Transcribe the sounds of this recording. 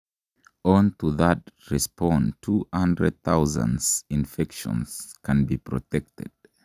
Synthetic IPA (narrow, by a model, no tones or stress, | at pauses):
ɔ̃ntuðətɹɪspʰɔ̃ntʰuhãndɹə̰d̚θaʊzə̰̃nz̥ɪ̃nfɛkʃə̰̃nz̥kʰə̃nbipʰɹɔ̰tʰɛk̚tɨ̰d̥̚